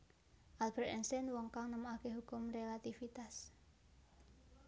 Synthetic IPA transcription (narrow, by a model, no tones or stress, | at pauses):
ʔalb̥ɛrt̪ɛnsɛnwɔŋkaŋnəmuakeɦukʊmrelat̪ifit̪as